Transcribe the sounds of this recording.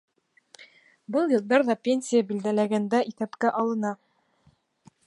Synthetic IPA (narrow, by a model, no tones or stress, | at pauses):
bɤlˠjɤ̆lˠd̪ɑɾðɑpʲenʲsʲijabild̪ælæɡænd̪æʔiθæpkæʔɑlˠɤ̆nɑ